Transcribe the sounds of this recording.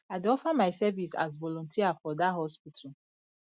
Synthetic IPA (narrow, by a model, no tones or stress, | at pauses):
adeɔfamaɪsɛvisa̰zvɔlɔ̃ntʰiafɔdaʔɦɔspitʰa